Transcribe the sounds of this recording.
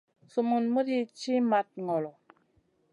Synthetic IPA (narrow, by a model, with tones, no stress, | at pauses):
su˨mu˨nmə˦di˦t͡ʃi˦ma˨t̚ŋɔ˨lɔ˨